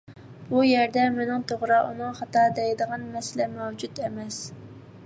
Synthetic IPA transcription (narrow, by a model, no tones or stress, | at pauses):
b̥ujɛɾd̪ɛmɪnɪŋt̪ʰoʁɾɑʔunɨŋχɑt̪ɑd̪ɛjd̪əʁɑnmɛsɪlɛmɛwd͡ʒud̪ɛmɛs